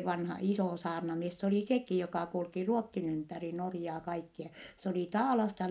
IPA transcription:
ʋɑnhɑ isoˑ sɑːrnɑmies s oliˑ sekiˑ jokɑˑ kulki ruotːin ympæri norjɑː kɑikːiɑ s oliˑ tɑːlɑstɑ

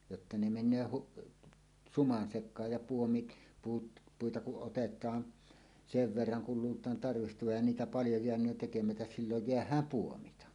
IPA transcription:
jotːɑ ne menˑøː huk sumɑn sekˑɑːj jɑ puomit puːt puitɑ kuʔ ʔotetˑɑːn seʋ ʋerːɑŋ kul luːltˑɑːn tɑrʋihtoʋɑj jɑ niːtæ pɑljo jeænˑøːn tekemætæs silːoj jeæhˑæːm puomitɑ

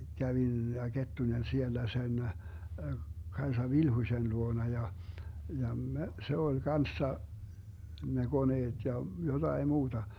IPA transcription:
kæʋin jɑ ketːunen sielːæ sen kɑesɑ ʋilhuĭsen luonɑ jɑ jɑ me se olʲ kɑnsːɑ ne ɡ̊oneːd̥ jɑ jotɑi muːd̥ɑ

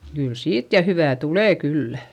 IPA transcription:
kyl siːt jɑ hyʋæˑ tuleˑ kylːæ

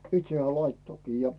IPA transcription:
itse hĕæː lɑitːokiː jɑ

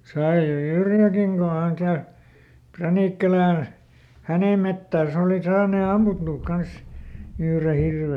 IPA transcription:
sɑi se yrjælækiŋ ko hæŋ kæy præniˑkːælæn hæneˑ metːæːs oˑli sɑːneˑ ɑmːutːuːk kɑns yhre hirʋe

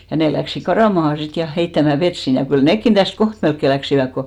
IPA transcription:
jɑ neˑ læksik kɑrɑˑmɑhɑ sit jɑ heitːæmæ ʋet sin jɑ kyl nekːin tæst koht melkːe læksiʋæk ko

